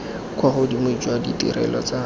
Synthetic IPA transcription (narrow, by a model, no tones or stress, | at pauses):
kʰwaχʊdimʊid͡ʒwaditʼḭɾɛ̰lɔt͡sa